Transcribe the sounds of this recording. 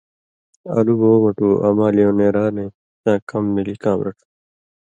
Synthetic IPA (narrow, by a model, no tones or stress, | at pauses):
ɐ̰luboːmɐʈuːʔɐ̰maːlijõːneːɾaːnẽ | t͡ɕãːkɐmːilikãːmɾɐ̰ʈʰu̥